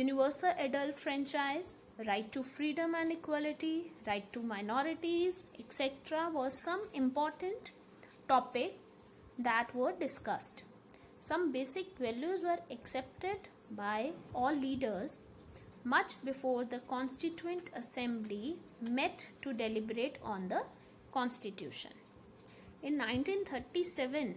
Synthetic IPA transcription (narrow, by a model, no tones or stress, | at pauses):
juːnɪʋəɾsəlʔeɖəlʈfɾɛ̃nt͡ʃaɪz | ɾaɪʈːufɾiːɖə̃mæ̃nɖɪkwɔlɪʈiɾaɪʈːumaɪnɔɾɪʈizeksɛʈɾaʋɔzsʌ̃mɪ̃mpɔːɾʈə̃ɳʈ | ʈɔpɪk̚ | d̪æʈʋəɾɖɪskʌsʈ | sʌ̃mbeːsɪk̚ʋɛljuzʋəɾəksɛp̚ʈeɖ | baɪɔːlːiːɖəɾz | mʌt͡ʃbɪfoːɾd̪əkɔ̃nsʈɪt͡ʃuə̃ɳʈʰəsɛ̃mblimɛʈʈːuɖelɪbəɾeːʈʰɔ̃ːnd̪ə | kɔ̃nsʈɪʈjṵːʃə̰̃n | ɪ̃nːãɪ̃nʈĩːnt̪ʰəɾʈisɛʋə̃n